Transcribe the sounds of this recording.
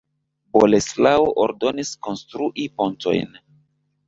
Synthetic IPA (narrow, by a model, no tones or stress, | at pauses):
boleslaoʔoɾdo̞nisko̞nstɾuʔipo̞nto̞̰jn